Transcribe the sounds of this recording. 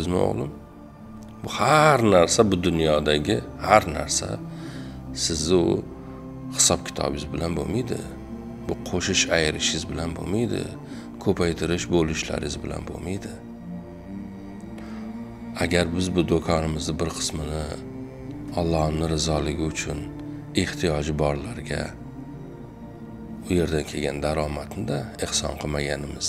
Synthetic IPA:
ɪzmo̰ʁlˠɪm | bʊhaɾnaɾsabʊd̪ʊnjɒd̪aɡʲɪhaɾna̰ɾsa̰ | sɪzd̪ɪʊ | hɪ̥sɒpkʲʰɪ̥t̪ʰɒ̰bɪzbɪlanbo̰mijd̪ɪ̰ | b̥ʊqʰoʃɪʃajɪɾɪʃɪzbɪlanbo̰mijd̪ɪ̰ | kʰɵpʰajt̪ʰɪɾɪʃbolɪʃla̰ɾɪɪzbɪla̰nbo̰mijd̪ɪ | aɡʲaɾbɪzbʊd̪okʰɒnɪmɪznɪbɪɾqʰɨ̥smɪnɪ | ɒlˠːɒhmnɪɾɪzɒlɪɡʲɪʊt͡ʃʰʊn | eht̪ʰijɒd͡ʒɪbɒɾlaɾɡʲa̰ | ʊje̞ɾd̪ankʲʰeɡʲand̪aɾɒmat̪nɪd̪aehsɒ̰nqʰɨmaɡʲanɪmɪz̥

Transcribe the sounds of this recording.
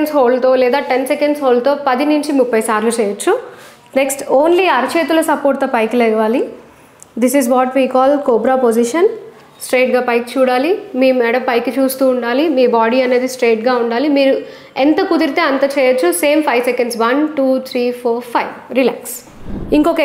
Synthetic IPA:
nsɦoːlt̪oːlɛːd̪aːʈensekɐɳɖsɦoːlt̪oːpɐd̪inuɲt͡ʃimupːɐjsaːɾʋit͡ʃɛːjɐt͡ʃːu | neksʈoːnliɐɾt͡ʃeːt̪ulɐsɐpoːɾt̪ːɐːpɐjklɛːjɐʋaːli | d̪isizʋɔːʈʋiːkaːlkoːbɾaːpod͡ʒiʃɐn | sʈɾeːʈ̚ɡaːpɐjk̚t͡ʃuːɽaːlimiːmɛːɽɐmpɐjkːit͡ʃuːst̪uːɳɖaːlimiːbaːɽiɐne̞ːd̪isʈɾeːʈɡaːuɳɖaːlimiːɾu | ent̪ɐkud̪iɾit̪e̞ːɐnt̪ɐt͡ʃɛːjɐt͡ʃːuseːmpʰɐjʋsekeɳɖsʋɐnʈuːt̪ʰɾiːpʰoːɾpʰɐjʋɾila̰ːks | iŋkoke

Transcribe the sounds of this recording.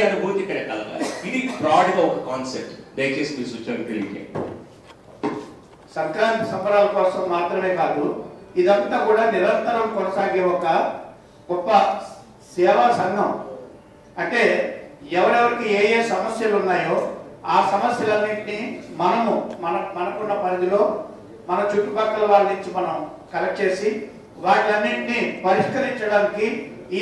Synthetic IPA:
ɐnubʱuːɾt̪ikːɐɾeːkɐlɐɡa̰ːinipɾaːɐɽiɡaːɔkɐkaːnsep̚ʈd̪ɐjɐt͡ʃeːsinisut͡ʃːɐɾit̪eɾiʋḭkḛ | sɐŋkɾaːnt̪ɐ̥sɐmpɐɾaːlɐkɔːsɐmːaːt̪ɾɐme̞ːkaːd̪uid̪ɐnt̪aːkuːɽaːniɾɐnt̪ɐɾɐmkɔnɐsaːɡeːɔkɐ | ɡ̥ɔpːɐ | sɛːʋɐsɐŋɡʱɐm | ɐɳʈe̞ːɛʋɐɾɛʋɐɾikieːjeːsɐmɐsjɐlunːaːjo̞ːaːsɐmɐsjɐlɐnːiʈinimɐnɐmumɐnɐmɐnɐkunːɐpɐɾɐd̪ilo̞ː | mɐnɐt͡ʃuʈːubɐkːɐlɐʋaːɾinuɲt͡ʃimɐnɐm | kɐlɐk̚t͡ʃe̞ːsi | ʋaːʈɐnːiʈnipɐɾiʂkɐɾiɲt͡ʃɐɽaːnikiː

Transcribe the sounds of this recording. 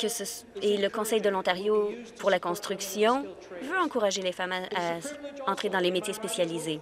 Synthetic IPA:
kəsəseləkɔ̃sɛjd̪əlɔ̃t̪aʁjopuʁlakɔ̃st̪χyksjɔ̃ | vøɑ̃kuʁaʒelefamaaɑ̃t̪χed̪ɑ̃lemet̪jespesjalize

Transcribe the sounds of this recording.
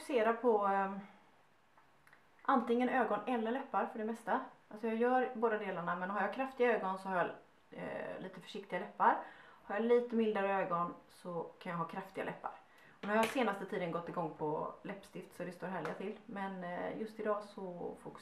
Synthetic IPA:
kseːɾapʰɔ | ʔant̪ɪŋːənøːɡɔnɛlːəɭɛpːaɾfœɖɛmɛst̪aalsɔjɑːjœːɾboːd̪ad̪eːlaɳamɛnɦaɾjɑkʰɾaft̪ɪɡaøːɡɔnsɔhaɾja | liːt̪əfœ̥ʂɪkt̪ɪɡalɛpːaɾhaɾjaliːt̪əmɪld̪aɾəøːɡɔnsɔkʰanjaɦɑːkʰɾaft̪ɪɡalɛ̰pːa̰ɾ | ɔnæɾaɾjɑhaseːnast̪ət̪ʰiːd̪ənɡɔt̪ːɪɡɔŋːpʰɔlɛpːst̪ɪft̪sɔd̪ɛst̪oːɾɦæːɭɪɡat̪ʰɪlmɛnjɵst̪ɪd̪ɑːsɔfʊk

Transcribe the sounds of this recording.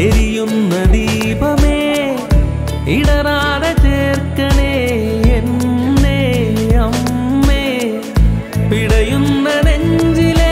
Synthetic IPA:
ɛɾɪjɯnːɐd̪iː | bɐmeː | ɪɽɐɾaːɽɐt͡ʃeːɾkɐɳeː | ɛnːeːɐmːeː | pɪɽɐjɯnːɐnɛɲd͡ʒɪle

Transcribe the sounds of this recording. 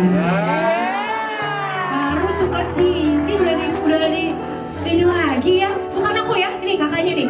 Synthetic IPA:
baɾut̪ukat͡ʃiɲt͡ʃiudadiudadadi | t̪inulaɡijat̪ukanakujainikakaɲanɪ

